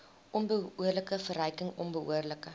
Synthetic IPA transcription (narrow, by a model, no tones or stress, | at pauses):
ʔɔnbəuərləkəfərəjkəŋɔnbəʔṵərləkə